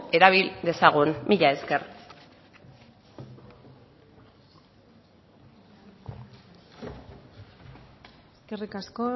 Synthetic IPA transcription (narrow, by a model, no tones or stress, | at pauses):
e̞ɾaβ̞ild̪e̞saɣ̞unmiʎae̞ske̞r | eskerikasko